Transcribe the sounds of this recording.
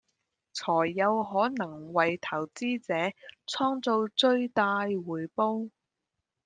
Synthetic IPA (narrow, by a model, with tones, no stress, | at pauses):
t͡sʰɔː˨˩jːɐ˨˧wɦɔː˨˥nɐ˨˩ŋwɐ˨jt̪ʰɐ˨˩wt͡siː˥t͡sɛː˨˥t͡sʰɔː˥ŋt͡so˧wt͡sɵ˧ɥt̪aː˧jwuː˨˩jpo˥w